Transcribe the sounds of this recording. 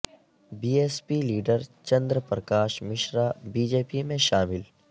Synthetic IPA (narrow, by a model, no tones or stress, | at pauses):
biːeːspiːliːɖəɾt͡ʃɐ̃nd̪ɾəpɾəkaːʃmɪʃɾaːbiːd͡ʒeːpimẽʃaːmɪl